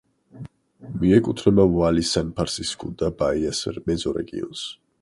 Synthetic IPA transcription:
miɛkʼut̪ʰɾɛmavalisanpʰaɾsiskʰud̪abaiasɛɾmɛd̪zɔɾɛ̰ɡʼḭɔ̰ns

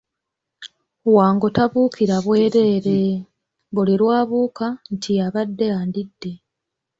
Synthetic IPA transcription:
waːŋɡo̞taβuːkʰiɾaβwe̞ːɾe̞ːɾe̞ | ɡoliɾwaːβuːkantʰiaβadːe̞aːndidːe̞

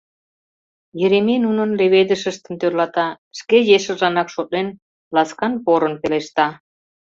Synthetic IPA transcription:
jə̆ɾemenunə̆nleβed̪ə̆ʃə̆ʃt̪ə̆nt̪ørlɑt̪ɑ | ʃkejeʃə̆ʒɑnɑkʃot̪̚nen | lɑskɑnpoɾə̆npeleʃt̪ɑ

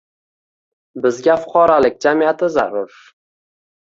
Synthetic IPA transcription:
bɪzɡʲafʊ̥qʰɒɾalɪk̚ʲd͡ʒamiat̪ʰɪzaɾʊɾ

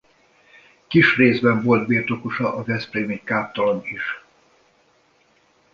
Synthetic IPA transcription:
kiʃreːzbɛɱvo̞lt̪̚biːrt̪o̞koʃɒʔɒvɛspɾeːmiɲkaːp̚t̪ɒlomiʃ

